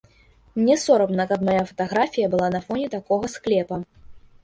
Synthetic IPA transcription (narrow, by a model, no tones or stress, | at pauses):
nʲɛsɔɾɐbnɐkɐpmajafɐ̥t̪aɣɾafʲijɐbɨlˠanɐfɔnʲɛt̪akɔɣɐsklʲɛpɐ